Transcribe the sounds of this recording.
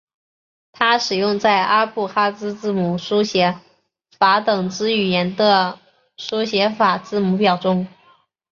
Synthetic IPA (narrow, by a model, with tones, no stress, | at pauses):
t̪ʰa˥ʂɻ̩˨˩jʊ˥˧ŋt͡sa˥˩ɪʔa˥pu˥˩xa˥t͡sɹ̩˥t͡sɹ̩˥˩mu˨˩ʂu˥ɕjɛ˧˥ | fa˧˥t̪ɤ˨˩ŋt͡sɹ̩˥y˨˩jɛ˧˥nd̪ə˧ | ʂu˥ɕjɛ˧˥fa˨˩t͡sɹ̩˥˩mu˧˥pjɑ˨˩ʊʈ͡ʂʊ˥ŋ